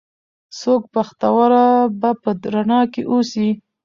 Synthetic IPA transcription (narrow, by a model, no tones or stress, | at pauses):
sok̚paxt̪awaɾabapəd̪ɾanɑkeʔosi